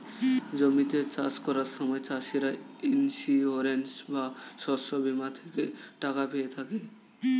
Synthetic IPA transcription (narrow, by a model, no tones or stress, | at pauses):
d͡ʑomit̪et͡ɕaskɔɾaɾʃɔmɔet͡ɕaʃiɾainsioɾensbaʃɔʃobimat̪ʰekeʈakapeet̪ʰake